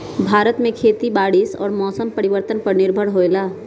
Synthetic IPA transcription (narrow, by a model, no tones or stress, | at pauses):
bʱaːɾət̪mẽkʰeːt̪ibaːɽisɔ̰ːɾmɔːsəmpɐɾɪʋəɾt̪ənpəɾnɪɾbʱəɽɦoːelaː